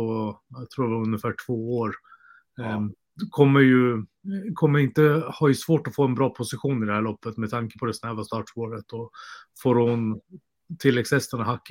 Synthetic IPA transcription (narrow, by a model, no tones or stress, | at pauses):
ɔat̪ʰɾuːdɛvaɾɵnjəfæːʈʰv̥oːoːɾ | kʰɔmːəɾjɵ | kʰɔmːəɾɪnt̪əhaɾjɵsvoːʈɔfoːɛnbɾɑːpʰʊsɪɧuːnɪd̪ɛhæːɭɔpːət̪mɛd̪ʰaŋkə̥pʰɔd̪ɛsnɛvast̪ɑːʈʂpoːɾət̪dɔfoːɾhʊn | t̪ʰɪlːɛɡshɛst̪ənaɦakː